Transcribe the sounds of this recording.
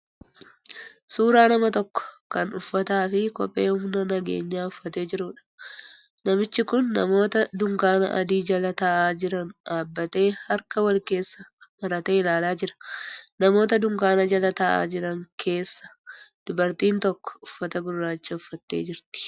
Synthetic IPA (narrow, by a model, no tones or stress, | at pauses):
suːɾaːnɐmɐt̪ɔkːɔ̥kɐnʊfːɐt̪aːfɪkɔ̰pʼːe̞ːhʊmnɐnɐɡe̞̰ːɲːaːʊfːɐt̪e̞ːd͡ʒɪɾʊᶑɐ̥ | nɐmɪt͡ʃːɪkʊnːɐ̰mo̞ːt̪ɐd̪ʊŋkaːnɐ̰ʔɐ̰d̪iːd͡ʒɐlɐt̪ɐʔaːd͡ʒɪɾɐnᶑaːbːɐt̪e̞ːhɐɾkɐwɐlke̞ːsːɐmɐɾɐt̪eːɪlaːlaːd͡ʒɪɾɐ̥nɐmo̞ːt̪ɐd̪ʊŋkaːnɐd͡ʒɐlɐt̪ɐʔa̰ːd͡ʒɪɾɐŋkʰe̞ːsːɐ̥d̪̥ʊbɐɾt̪iːnt̪ɔkːɔ̥ʊfːɐt̪ɐɡʊɾːaːt͡ʃːɐʊfːɐt̪ːe̞̰ːd͡ʒɪɾt̪ɪ̥